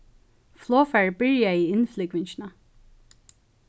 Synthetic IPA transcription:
flˠɔːfæɹbɪɹjaiːɪnflɪɡʋɪnɕnə

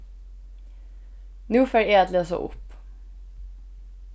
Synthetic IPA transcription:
nʉːføːɹeːɑt̪løːsə̰ʔʊ̰p

